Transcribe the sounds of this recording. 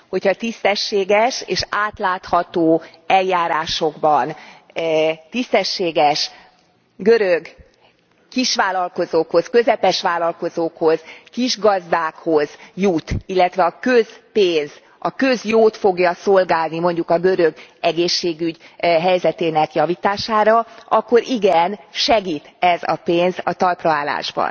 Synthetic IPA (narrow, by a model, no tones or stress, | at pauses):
ho̞chɒt̪ist̪ɛʃːeːɡɛʃḛːʃaːt̪laːt̪hɒt̪oːɛljaːɾaːʃo̞ɡbɒn | t̪ist̪ɛʃːeːɡɛʃ | ɡø̞ɾøɡ | kiʃʋaːlɒlko̞zoːkho̞skø̞zɛpɛʃʋaːlɒlko̞zoːkho̞z̥kiʒɡɒzd̪aːkho̞z̥jut̪ilːɛt̪ʋɛɒkøz̥peːnz̥ | ɒkø̞zjoːt̪fo̞ɡjɒso̞lɡaːlnimo̞ɲɟukɒɡøɾø̞ɡɛɡeːʃːeːɡyɟɦɛjzɛt̪eːnɛkjɒvit̪aːʃaːɾɒʔɒkːo̞ɾʔiɡɛnʃɛɡiːt̪ɛzɒ̰peːnzɒt̪ɒlprɒaːla̰ːʒbɒ̰n